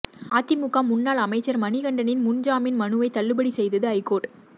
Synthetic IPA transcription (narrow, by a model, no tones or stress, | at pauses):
aːt̪ːɪmʊkːaːmːʊnːaːlɐmɐɪt͡ʃːɐɾmɐnɪɣɐɳɖɐnɪnmʊnd͡ʒaːmɪnmɐnɯʋɐɪt̪ɐlːɯbɐɽisɛjðɐðɯɐɪkːoːʈ